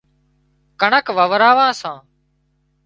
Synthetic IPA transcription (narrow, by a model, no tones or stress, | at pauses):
kəɳəkʋəʋəɾaːʋãːsãː